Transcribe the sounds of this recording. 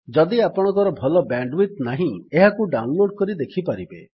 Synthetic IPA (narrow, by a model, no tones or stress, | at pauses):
d͡ʒɔd̪iapɔɽ̃ɔ̃ŋkɔɾɔbʱɔlɔbaɳɖwit̪̚naɦĩeɦakuɖawnloɖ̚kɔɾid̪ekʰipaɾibḛ